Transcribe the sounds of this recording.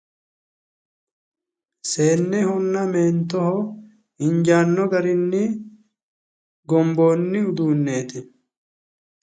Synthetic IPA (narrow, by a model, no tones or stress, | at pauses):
se̞ːnːɛhɔnːɐmeːnt̪ːɔhɔ | ɪɲd͡ʒaːnːɔɡɐɾɪnːɪ | ɡɔmbo̞ːnːɪʊd̪uːnːe̞ːt̪ɪ